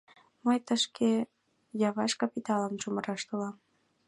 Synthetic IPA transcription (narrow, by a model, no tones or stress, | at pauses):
məjt̪əʃke | jɑβɑʃkɑpit̪ɑləmt͡ʃuməɾɑʃt̪olɑm